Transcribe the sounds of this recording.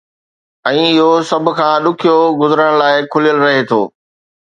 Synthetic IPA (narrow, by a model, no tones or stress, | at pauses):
ɛ̃ːɪɦosɐbʱʊ̆kʰãːɗʊkʰijoɡʊzəɾəɽ̃laːɪkʰʊlijəlɾɐɦet̪ʰo̰ː